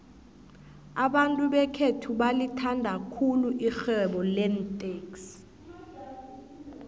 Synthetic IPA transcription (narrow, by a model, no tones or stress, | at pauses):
aɓantʼuɓɛkʰetʰuɓalitʰandʱakʰuluʔixɛɓɔlɛntʼeːks